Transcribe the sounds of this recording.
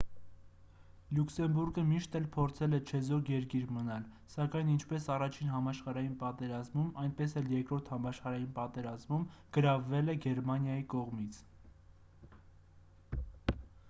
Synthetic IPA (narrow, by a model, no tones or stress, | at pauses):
luksɛmbuɾɡəmiʃt̪ɛlpʰɔɾt͡sʰɛlɛt͡ʃʰɛzɔɾjɛɾkiɾmənɑl | sɑkɑjnint͡ʃʰpɛsɑrɑt͡ʃʰinɦɑmɑʃχɑɾɑjinpɑt̪ɛɾɑzmumɑjnpɛsɛljɛɾkɾɔɾt̪ʰhɑmɑʃχɑɾɑjinpɑt̪ɛɾɑzmumɡ̥əɾɑvːɛlɛɡɛɾmɑnjɑjikɔʁmit͡sʰ